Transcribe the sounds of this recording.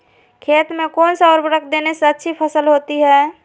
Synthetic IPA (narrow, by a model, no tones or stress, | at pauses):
kʰeːt̪mẽkɔːnsəɔːɾbəɾəkʰd̪eneseətːʃʰipʰəsəlɦoːt̪iɦɛː